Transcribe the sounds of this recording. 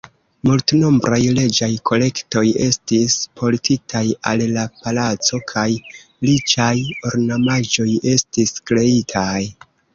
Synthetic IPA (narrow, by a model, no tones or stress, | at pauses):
multno̞mbɾajle̞d͡ʒajkʰo̞le̞kto̞je̞stispʰo̞ltʰitʰaja̰llapalat͡so̞kʰaj | lit͡ʃajo̞ɾnamad͡ʒo̞je̞stiskɾe̞itʰaj